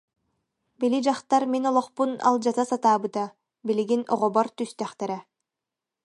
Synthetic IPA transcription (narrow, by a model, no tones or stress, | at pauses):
bilid͡ʒaχt̪aɾminɔlˠɔχpuna̰lˠd͡ʒat̪asat̪aːbɯt̪a | biliɡinɔ̰ʁɔbɔɾt̪yst̪ɛχt̪ɛɾɛ